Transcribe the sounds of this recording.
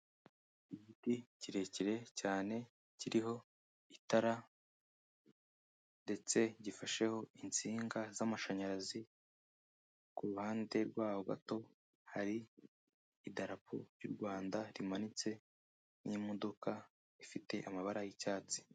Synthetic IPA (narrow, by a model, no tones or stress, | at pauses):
iɟiticiɾe̞ciɾe̞caːne̞ | ciɾiɦo̞ | itaɾa | nde̞t͡se̞ɟifaʃe̞ho̞int͡siːŋɡazamaʃaɲaɾazi | kuɾuhaːnde̞ɾɡwaːho̞ɡa̰to̞ | haɾiː | daɾapʰṵɾjuɾɡwaːndaɾimanit͡se̞ | nimodo̞ka | ifite̞ʔamaβaɾajicaːt͡si̥